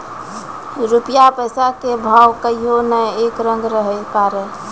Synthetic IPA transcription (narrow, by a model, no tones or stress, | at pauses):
ɾupjapəsakebʱawkəiɦonəjekɾə̃ŋɡɾəɦəkaːɾə